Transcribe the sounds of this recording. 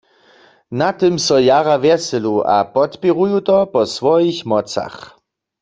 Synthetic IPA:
nat̪ɪmsɔjaʁavjɛsɛlua̰pɔt̪piʁujut̪ɔpɔsʋɔjixmɔt͡sa̰x

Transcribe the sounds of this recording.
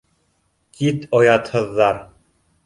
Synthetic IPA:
kit̪ojɑt̪hɤ̆ðːɑɾ

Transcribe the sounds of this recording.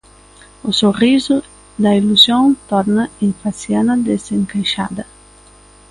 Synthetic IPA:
ʊsorizʊ | d̪ɐiluzjõnt̪ɔɾnɐĩɱfasjanɐd̪ezeŋkajʃa̰d̪ɐ

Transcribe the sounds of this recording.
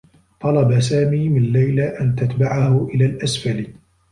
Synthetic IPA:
t̪ˤɑlɑbasaːmiːmɪnlajlaʔant̪at̪baʕahʊʔɪlaːlʔasfal

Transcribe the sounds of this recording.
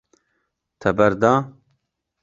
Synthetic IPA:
t̪ʰɐbɐɾd̪aː

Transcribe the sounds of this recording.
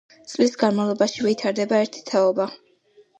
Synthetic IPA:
t̪sʼlisɡanmalˠɔbaʃivit̪ʰaɾd̪ɛbaɛɾt̪ʰi̥t̪ʰaɔba

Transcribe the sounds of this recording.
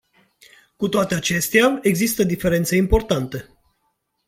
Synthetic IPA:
kut̪oat̪e̞at͡ʃe̞st̪eae̞ɡzist̪əd̪ife̞ɾe̞nt̪seimpo̞rt̪ant̪e

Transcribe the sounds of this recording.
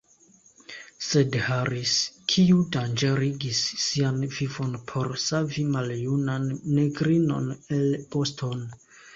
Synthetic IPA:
se̞dhaɾiskʰiudand͡ʒe̞ɾiɡisːianvivo̞npʰo̞ɾsavimaljunanːeɡɾino̞̰nelpo̞stʰo̞n

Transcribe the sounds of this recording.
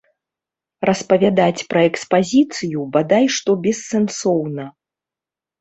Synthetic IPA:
rɐspɐvʲad̪at͡sʲpɾɐɛkspazʲit̪sɨjubad̪ajʂt̪ɔbʲɛsːɛnsɔwnɐ

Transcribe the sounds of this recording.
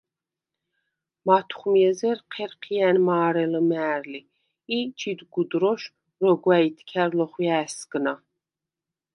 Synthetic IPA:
mat̪ʰχmiɛzɛɾqʰɛɾqʰijænmaːɾɛləmæːɾliː | t͡ʃʰid̪ɡud̪ɾɔʃ | rɔɡwait̪ʰkʲʰæɾlɔχjæːsɡna

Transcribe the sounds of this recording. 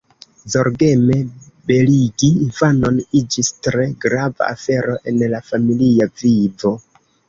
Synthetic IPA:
zo̞ɾɡe̞me̞ | be̞liɡiːfano̞nid͡ʒistɾe̞ɡɾava̰a̰fe̞ɾo̞ʔe̞nlafamiliavivo̞

